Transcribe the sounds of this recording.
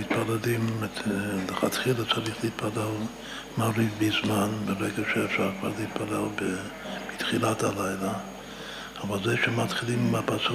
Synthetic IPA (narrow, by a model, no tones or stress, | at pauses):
mit̪̚paladim | ləχat̪χilat͡saɾiχliːt̪̚palel | maɾifbizmanbeʁeɡaʃeːfʃaɾkva̰ɾliit̪̚palelbe | bit̪χilat̪halajla | avalzeʃemat̪χilimːapat͡s